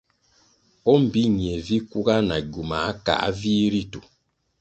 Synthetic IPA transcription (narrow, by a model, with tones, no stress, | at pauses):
o˦m̩˨bi˦ɲ˨e˨vi˦ku˦ɡa˦na˨ɟu˨ma˨˦ka̰˨a̰˦vi˦ɾi˦tu˨